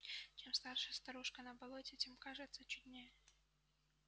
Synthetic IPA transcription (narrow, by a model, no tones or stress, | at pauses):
t͡ɕʲemst̪arʂəjəst̪ɐɾuʂkənəbɐlˠotʲɪtʲemkaʐɨt̪sət͡ɕʊd̪ʲnʲejɛ